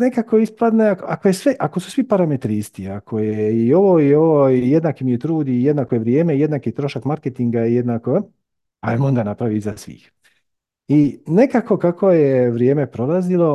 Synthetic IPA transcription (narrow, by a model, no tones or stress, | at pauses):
nekako̞isplad̪neakoako̞jesʋeʔako̞su̥sʋipaɾame̞t̪ɾiːst̪iakʰo̞jeio̞ʋoioʋojed̪naːkimijet̪ɾuːd̪ijed̪naːkojeʋɾje̞ːmejed̪naːkit̪ɾo̞ʃakmaɾket̪iŋɡaijed̪naːko | a̰emond̪anapɾaʋiizasʋḭːx | ine̞kako̞kakʰo̞jeʋɾje̞ːme̞pɾo̞lˠazilˠo̞